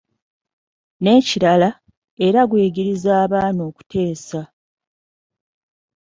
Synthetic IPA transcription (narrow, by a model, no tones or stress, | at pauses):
ne̞ːciɾala | e̞ɾaɡwe̞ːɡiɾizaːβaːno̞ːku̥te̞ːsa